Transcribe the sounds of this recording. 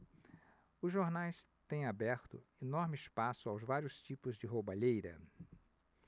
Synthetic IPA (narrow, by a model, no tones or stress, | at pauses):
ʊzʒoɾnajst̪ẽj̃abɛɾt̪ʊ̰enɔɾmɪɪspasʊawzvaɾiʊst͡ʃipʊzd͡ʒɪɦobaʎejɾɐ̰